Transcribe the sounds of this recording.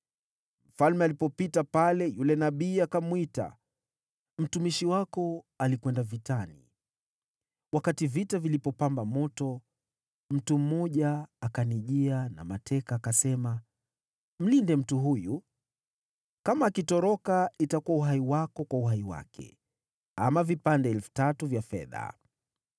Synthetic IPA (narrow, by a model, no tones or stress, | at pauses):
m̩falmɛalipɔpitapalɛjulɛnaɓiːakamwita̰ | m̩tumiʃiwakɔalikwɛndavitanḭ | wakativitavilipɔpambamɔtɔ | m̩tum̩mɔʄaːkaniʄiana̰matʰɛkaːkasɛma | m̩lindɛm̩tuɦuju | kamaːkitɔɾɔkaitakuwauɦaiwakɔkwauɦaiwa̰kʰɛ̰ | amavipandɛɛlfu̥tatuvjafɛ̰ða̰